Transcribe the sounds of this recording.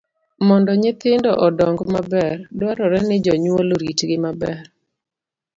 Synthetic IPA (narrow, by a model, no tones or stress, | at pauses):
mɔndɔɲɪt̪ɪndɔʔɔdɔŋɡmabɛrdwaɾɔɾɛnɪd͡ʒɔɲwoloɾitɡɪmabɛr